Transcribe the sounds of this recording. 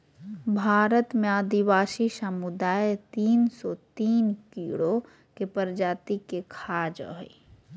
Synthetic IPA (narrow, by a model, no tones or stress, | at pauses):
bʱaːɾət̪meaːd̪iwaːsisəmud̪aːjt̪iːnsɔt̪iːnkiːɽo | kepəɾd͡ʒaːt̪ikekʰaːd͡ʒ̰ɦ